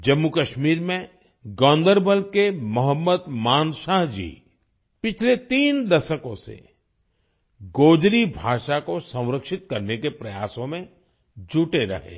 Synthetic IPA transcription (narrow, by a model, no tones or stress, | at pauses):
d͡ʒɐmːukɐʃmiːɾmẽ | ɡɔ̃ːnd̪əɾbəlkemɐɦəmːəd̪maːnʃaːɦd͡ʒḭː | pɪt͡ʃʰlet̪iːnd̪ɐʃəkõsḛ | ɡoːd͡ʒɾibʱaːʃakosɐ̃w̃ɾəkʃɪt̪̚kɐɾnekepɾɐjaːsõmẽ | d͡ʒuʈeɾɐ̰ɦḛː